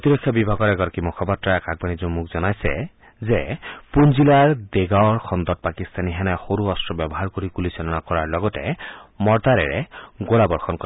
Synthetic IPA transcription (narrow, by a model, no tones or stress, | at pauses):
ot̪iɾɔkʰːjɔbibʱaɡɔɹɛɡɔɾɔkimɔkʰɔpatːɹaɛkaɡ̚banizumukzɔnajsɛ̰ | zepunzilaɹd̪eɡaɔɹxʰɔnd̪ɔt̚pakist̪aniɦɛnaxoɾuɔstɹɔbɛbɔɦaɹkoɾikulisalɔnakɔɹaɹlɔɡɔtɛ̰mɔɹt̪aɾɛ̰ɹɛ̰ɡolabɔɹxʰɔnkɔ